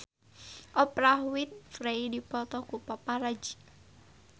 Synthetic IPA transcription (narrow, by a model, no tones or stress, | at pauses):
ɔpɾahwit̪̚fɾeidipɔt̪ɔkupapaɾad͡ʒi